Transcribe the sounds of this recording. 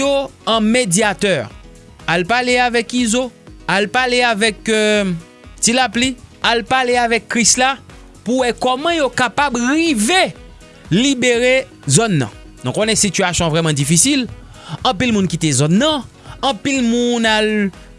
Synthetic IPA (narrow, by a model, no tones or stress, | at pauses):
oɐ̃medjat̪œʁ | alpaleavɛkizoalpaleavɛk | tilaplialpaleavɛkːʁisla | puwɛkɔmɐ̃jokapabʁive | libeʁe | zɔnːã̰ | nũkonɛsityasjɔ̃vʁɛmɑ̃difisil | ɐ̃pilmũnkit̪ezɔnːɐ̃ː | pilmũnal